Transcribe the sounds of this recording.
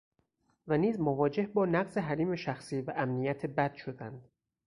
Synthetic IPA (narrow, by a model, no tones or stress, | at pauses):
væniːzmovɒːd͡ʒehbɒːnæɢze̞ɦæɾiːme̞ʃæxsiːvæʔæmnijæt̪ʰebæd̪̥ʃo̞d̪ænd̪̥